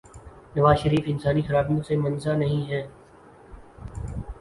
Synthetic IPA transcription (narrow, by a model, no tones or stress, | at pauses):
nɐʋaːzʃəɾiːfɪnsaːnixɐɾaːbjõsemɐnzanɐɦĩɦɛː